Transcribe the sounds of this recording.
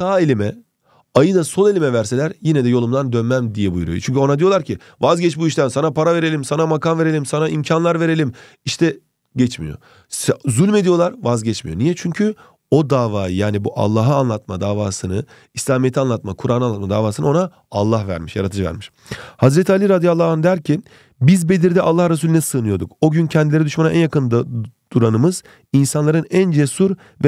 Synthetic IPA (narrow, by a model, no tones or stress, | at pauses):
saːelʲimɛ | ajɯd̪aso̞nelʲimɛvæɾse̞lʲæɾjinɛd̪ɛjo̞lˠumd̪and̪ønmæmd̪ijɛbujɾṵjot͡ʃʰyɲcʰyo̞nad̪ijolˠaɾcʰi | vazɟɛt͡ʃbuiʃt̪ʰænsanapʰaɾave̞ɾelʲimsanamakanve̞ɾe̞lʲimsanaimcʰanlˠaɾve̞ɾe̞lʲim | iʃt̪ʰɛ | ɟɛt͡ʃmijo̰ | szylʲme̞d̪ijo̞lˠaɾvazɟɛt͡ʃmijo̞nijɛt͡ʃʰyɲcʰy | o̞d̪aːvaːjɯjaːnibuʔa̰lˠːaːɦaːnlˠat̪mad̪aːvaːsɯnɯ | islʲaːmijet̪ʰianlˠat̪makʰuɾʔananlˠat̪mad̪aːvaːsɯnɯo̞na | alˠːahvæ̰ɾmiʃja̰ɾat̪ʰɯd͡ʒɯvæ̰ɾmiʃ | hazɾet̪ʰialʲiɾad̪ijalˠːaːand̪æɾcʰi | bizbe̞d̪iɾd̪ɛʔalˠːahɾasuːlʲynisɯːnɯjo̞ɾd̪ṵko̞ɟyncʰɛnd̪ilʲeɾɛd̪yʃmanaʔæ̰njakʰɯnd̪̥uɾanɯmɯz̥ | insanlˠaɾɯnænd͡ʒesuɾ | v